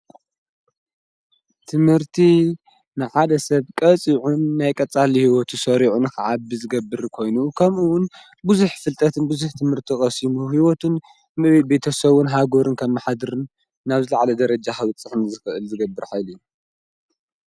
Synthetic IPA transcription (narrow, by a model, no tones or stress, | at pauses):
t̪ʰɨmhɨɾt̪ʰi | nɨħad̪ɐsɐβkʼɐt͡sʼiʕunːajkʼɐt͡sʼalihiwɔt̪ʰusɐɾiʕunɨxʰɨʕabːizɨɡɐbːɨɾkʰo̞jnukʰɐmʔuwʊn | buzuħfɨlt̪ʼɐt̪ʰɨnbuzuħt̪ʰɨmhɨɾt̪ʰiχʼɐsimuɦiwɔt̪ʰun | mɨβebe̞t̪ʰɐsɐβunɦaɡoɾɨnkʰɐmːaħad̪ɨɾɨnː | aβzɨlaʕalɐd̪ɐɾɐd͡ʒaxɐβɨt͡sʼːɨħnzɨxɨʔɨlzɨɡɐbːɨɾħajlijːu